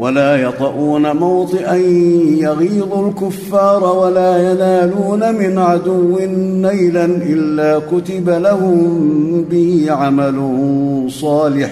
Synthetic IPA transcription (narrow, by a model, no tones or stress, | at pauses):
walaːjɑt̪ˤɑʔuːnamawt̪ˤɨʔanjaɣiːd̪ˤulkʊfːɑːɾˤɑwalaːjanaːluːnamɪnʕad̪ʊwːɪːajlanʔɪlːaːkʊt̪ɪbalahʊmbɪhɪʕamalʊsˤɑːlɪħ